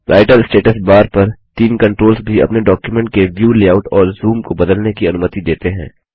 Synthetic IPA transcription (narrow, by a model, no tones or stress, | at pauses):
ɾʔaːɪʈəlsʈeːʈəsbaːɾpɐɾt̪iːmkɐ̃ɳʈɾoːlsbʱiɐ̰pneɖɔːkjumɛ̃ɳʈ̚keʋjuːleːaːʊʈɔːɾzuːmkobɐd̪əlnekiɐnʊmət̪id̪eːt̪eɦɛ̰̃ː